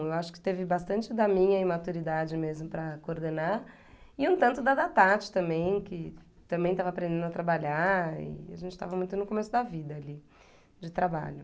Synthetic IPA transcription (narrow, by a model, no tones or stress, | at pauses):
ewaʃʊ̥kɪ̥t̪evɪbast̪ɐ̃nt͡ʃɪd̪ɐmĩɲɐimat̪uɾid̪ad͡ʒɪmezmʊpɾɐkooɾd̪enaɾ | ɪũt̪ɐ̃nt̪ʊd̪ɐd̪at̪at͡ʃɪ̥t̪ɐ̃mbẽj̃kɪ | t̪ɐ̃mbẽj̃t̪avɐapɾẽd̪ẽnd̪ʊɐat̪ɾabaʎaɪ̰a̰ʒẽnt͡ʃɪ̥t̪avɐmũj̃t̪ʊnʊkomesʊd̪ɐvid̪ɐːli | d͡ʒɪt̪ɾaba̰ʎʊ